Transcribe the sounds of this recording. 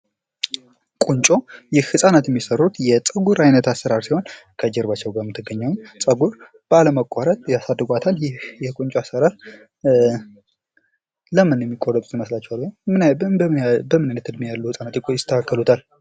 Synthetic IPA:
kʼunt͡ʃʼo̞jɪhhɨsʼanat̪jɛmːisərːut̪jɛt͡sʼəɡuɾajnət̪asːəɾaɾsiho̞nkʰəd͡ʒɛɾbat͡ʃːɛwɡamɨt̪ʰːɨɡəɲːawɲt͡sʼəɡuɾ | b̥əaləməkʼːaɾət̪ʼjasad̪ːɨɡʷat̪ʰaljɪhjɛkʼunt͡ʃʼoasːəɾaɾ | ləmɨnjɛmːikʼːoɾət̪ʼiməslat͡ʃːɛwalːmɨn | bəmɨnajnət̪ʰɨd̪mijalːuhɨsʼanat̪jɪkʰʷːojɪt̪ʰːəkʰakːəlut̪ʰal

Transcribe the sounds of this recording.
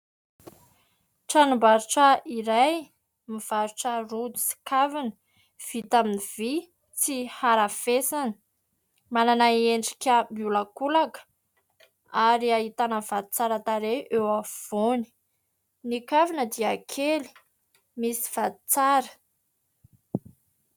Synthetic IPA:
ʈ͡ʂanumbaɾuʈ͡ʂaiɾaj | miv̥aɾuʈ͡ʂəɾud̪usi̥kavinə | v̥it̪aminivi | t͡sihaɾafesanə̥ | mananaeɳɖ͡ʐi̥kʲəmiulakulakə̥ | aɾiaɦit̪anəv̥ad̪i̥t͡saɾat̪aɾeʔewav̥oni̥ | nikavinəd̪iakʰeli̥ | misi̥vad̪i̥t͡saɾə̥

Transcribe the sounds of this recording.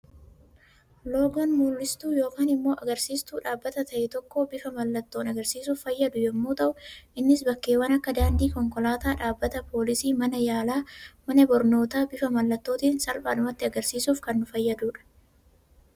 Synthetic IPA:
lo̞ːɡɔnmulːɪst̪uːjo̞ːkaːnɪmːo̞ːʔɐɡɐɾsiːst̪uːᶑaːbːɐt̪ɐt̪ɐʔɛt̪ɔkːo̞ːbɪfɐmɐlːɐt̪ːoːnɐɡɐɾsiːsuːfːɐjːɐd̪ʊjɛmːoːt̪ɐʔʊʔɪnːɪsbɐkːe̞ːwɐnɐkːɐd̪aːnd̪iːkɔŋkɔlaːt̪aːᶑaːbːɐt̪ɐpoːlɪsiːmɐnɐjaːlaːmɐnɐbɔɾno̞ːt̪aːbɪfɐmɐlːɐt̪ːo̞ːt̪iːnsɐlpaːd̪ʊmɐt̪ːɪɐɡɐɾsiːsuːfkɐnːʊfɐjːɐd̪uːᶑɐ̥

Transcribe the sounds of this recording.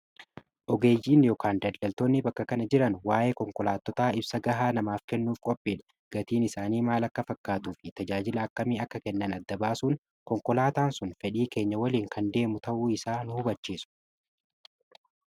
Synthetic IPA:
ʔɔɡe̞ːjːiːnɪjɔkaːnd̪ɐlɐlt̪oːnːɪbɐkːɐkɐnɐd͡ʒɪɾɐnwaːʔe̞ːkɔŋkɔlaːt̪ːɔt̪aːɪbsɐɡɐɦaːnɐmaːfkɛnːuːfkʼɔpʼːiːᶑɐ | ɡ̥ɐt̪iːnɪsaːniːmaːlɐkːɐfɐkːaːt̪uːfɪt̪ɐd͡ʒaːd͡ʒɪlɐɐkːɐmiːɐkːɐkɛnːɐnɐd̪ːɐbaːsuːn | kɔŋkɔlaːt̪aːnsʊnfɛᶑiːke̞ːɲːɐwɐliːŋkɐnd̪e̞ːmʊt̪ɐʔuːɪsaːnʊhʊbɐt͡ʃːiːsʊ̥

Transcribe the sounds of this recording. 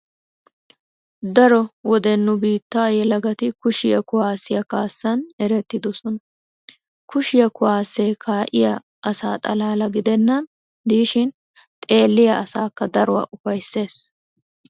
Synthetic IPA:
d̪ɐɾɔwɔd̪ɛnːʊbiːt̪ːaːjɛlɐɡɐt̪ɪkʊʃɪjɐkʊwaːsɪjɐkaːsːɐnɛɾɛt̪ːɪd̪ɔsɔnɐ | kʊʃɪjɐkʊwaːsːeːkʰaːʔɪjɐ | ʔɐsaːt̪ʼɐlaːlɐɡɪd̪ɛnːɐn | d̪iːʃɪn | t̪ʼe̞ːlːɪjɐʔɐsaːkːɐd̪ɐɾɔwa̰ʔʊfɐjsːe̞ːs

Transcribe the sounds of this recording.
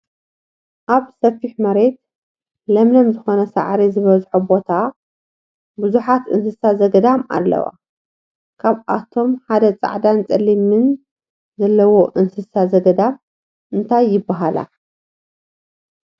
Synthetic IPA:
ʔaβsɐfiħmɐɾe̞t̪̚ | lɐmlɐmzɨxo̞nɐsa̰ʕɾizɨβɐzħubo̞t̪ʰa | bɨzuħat̪ɨnsɨsazɐɡɐd̪ama̰lːɐ̰wa̰ | kʰaβʔa̰t̪ʰo̞mħad̪ɐt͡sʼa̰ʕd̪ant͡sʼɐlːimɨn | zɐlːɐwo̞ʔɨnsɨsazɐɡɐd̪am | ʔɨnt̪ʰajːɪbːaɦala̰

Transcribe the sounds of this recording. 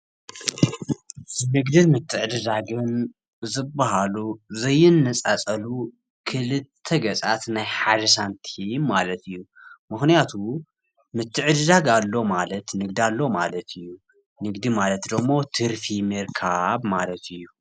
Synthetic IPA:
nɨɡd̪ɨnmɨt̪ʰːɨʕɨd̪ɨd̪aɡɨn | zɨbːɐɦaluzɐjːɪnːɐt͡sʼat͡sʼɐlu | kʰɨlɨt̪ʰːɐɡɐt͡sʼat̪najħad̪ɐs̬ant̪ʰimalɐt̪ɨjːu | mɨxnijat̪ʰu | mɨt̪ʰːɨʕɨd̪ɨd̪aɡalːo̞malɐt̪nɨɡ̚d̪ialːo̞ma̰lɐt̪ʰɨjːu | nɨɡd̪imalɐt̪d̪ɐmːo̞t̪ʰɨɾfimɨɾkʰabmalɐt̪ʰɨjːu

